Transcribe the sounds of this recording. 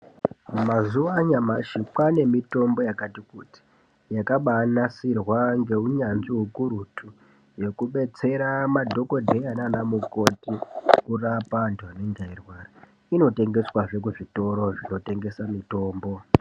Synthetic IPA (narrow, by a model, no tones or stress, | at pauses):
mazuʋaɲamaʃipwane̞mito̞mbo̞jakatikuti̥ | jakaɓanasirwaŋɡe̞uɲanziɦukuɾutʰu | je̞kuɓe̞t͡se̞ɾamadʱo̞ko̞dʱeananamuko̞tikurapandaneŋɡairwaːra | ino̞te̞ŋɡe̞swaʐe̞k̬uʐito̞ɾo̞ʐino̞te̞ŋɡe̞samito̞ːmbo̞